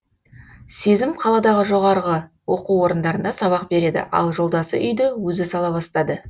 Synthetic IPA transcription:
se̞zɪmqʰɑlˠɑd̪ɑʁəʒo̞ʁɑɾʁə | wo̞quwo̞ɾənd̪ɑɾənd̪ɑsɑβɑq̚be̞ɾe̞d̪ɪ̰ʔɑ̰lˠʒo̞lˠd̪ɑsə̰ʔʏjd̪ɪwɵzɪsɑlˠɑbɑst̪ɑd̪ə

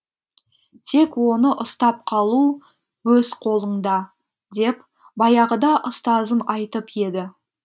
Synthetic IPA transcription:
t̪ʰe̞kwo̞nəʔʊst̪ɑp̚qʰɑlˠu | wɵzqʰo̞lˠəɴd̪ɑ | d̪e̞p | bɑjɑʁəd̪ɑʔʊst̪ɑzənɑjt̪əpje̞d̪ɪ

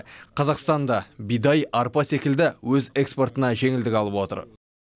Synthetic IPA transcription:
qʰɑzɑqst̪ɑnd̪ɑbijd̪ɑjʔɑɾpɑse̞kʲɪld̪ɪwɵze̞kspo̞ɾt̪ənɑʒe̞ŋɪld̪ɪkʲɑlˠəpwo̞t̪ə̰ɾ

